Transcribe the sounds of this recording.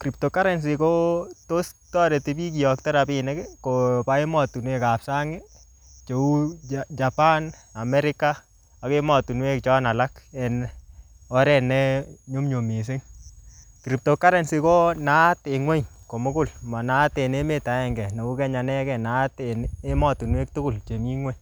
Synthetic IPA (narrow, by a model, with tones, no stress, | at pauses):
kɾi˨p̚to˨ka˦ɾɛ˨ns̬i˨ko˦to˦stɔ˦ɾe˨ti˦bi˦k̬i˨jɔ˨k̚tɛ˦ɾa˨pine˦ke˦ko˨pa˦e˦mɔ˦˨tu˨nwe˦ka˨psa˦ŋɪ˦ | t͡ʃo˨u˦d͡ʒa˨pa˦na˨mɛ˦ɾɪka˦ | a˨ke˦mɔ˨tu˨nwe˦kt͡ʃɔ˦na˨la˦kɛ˨n | ɔ˦ɾɛ˦nɛ˦ɲu˦mɲo˨mi˨s̬e˦ŋ | ki˨ɾi˨p̚to˨kːa˦ɾe˦nsi˧ko˦na˦te˨ŋwe˦ɲko˨mʊ˦kʊ˦˨lma˨na˦te˨ne˦me˦ta˨˦ɛ˦ŋɡɛ˨ne˨wu˦kɛ˦ɲa˨nɛ˦kɛ˨na˦tene˦mɔ˨tu˨nwe˦k̚tu˦kʊ˦lt͡ʃe˨mi˦ŋwe˦ɲ